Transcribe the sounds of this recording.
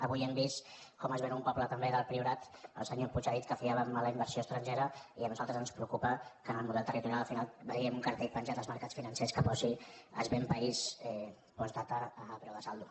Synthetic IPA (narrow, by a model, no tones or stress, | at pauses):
əβujɛmbist̪ | kɔməzβenumpɔplət̪əmbeðəlˠpɾiuɾat̪ə̰lˠsəɲoput͡ʃaðit̪̚kəfiaβəmːaləimbəɾsiost̪ɾənʲʒeɾəiənuzalˠt̪ɾəzənspɾəukupəkənəlˠmuðɛlˠt̪ərit̪uɾjaləlfinalˠbəiəmuŋkəɾt̪eʎpənʲʒat̪əlzməɾkat͡sfinənseskəpɔsiə̰zβempəisɛ | pɔst̪at̪əːpɾɛwðəsalˠd̪u